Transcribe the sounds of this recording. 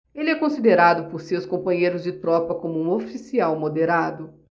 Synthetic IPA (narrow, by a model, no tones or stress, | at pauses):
elɪɛkõsid̪eɾad̪ʊpoɾsewskõpɐ̃ɲejɾʊzd͡ʒɪt̪ɾɔpɐkõmʊũofisiawmod̪eɾad̪ʊ